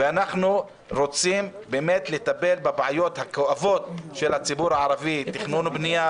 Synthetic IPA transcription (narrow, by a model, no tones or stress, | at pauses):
veanaχnu | ɾot͡simbemet̪let̪abelbebʕajo̞t̪hakoʔavo̞t̪̚ʃelhat͡sibuɾaʕaɾavit̪ːiχnunubnija